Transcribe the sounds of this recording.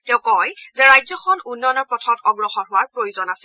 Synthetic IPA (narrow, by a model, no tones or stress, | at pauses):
tɛ̃ʊ̃kɔjzɛɹajzɔxʰɔnunːɔnɔɹpɔtʰɔtɔɡɹɔxɔɹɦʊwaɹpɹojuzɔnasɛ